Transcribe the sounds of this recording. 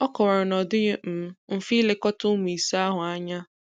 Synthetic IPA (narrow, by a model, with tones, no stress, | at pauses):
ɔ˦kɔ˨ɾɔ˨nɔ˨dʊ˦ɪ˦m̩˨˦m̩˨fi˦le˨kɔ˦tʊ˦m˨i˨sa˦ɦʊ˨a˦ɲa˦